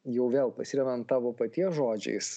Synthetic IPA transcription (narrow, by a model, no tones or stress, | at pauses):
jɛʊʋʲeːlˠpɐsʲiɾʲɛd̪ɐnt̪tːɑːʋoːpɐt̪ʲiɛsʒoːd͡ʒʲɛ̰ɪs